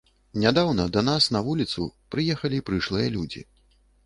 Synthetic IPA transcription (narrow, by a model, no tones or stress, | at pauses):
nʲad̪awnɐd̪ɐnasnɐvulʲit̪sṵpɾɨjɛxɐlʲipɾɨʂlˠɨjɐlʲud͡zʲḭ